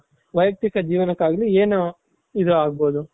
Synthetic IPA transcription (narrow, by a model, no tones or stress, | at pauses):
ʋɐjɐɡ̚t̪ikɐd͡ʒiːʋɐnɐkːaːɡlieːnu | id̪uaːɡ̚boːd̪u